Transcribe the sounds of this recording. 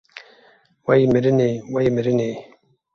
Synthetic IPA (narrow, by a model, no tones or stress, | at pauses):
wajmiɾinewajimɪɾine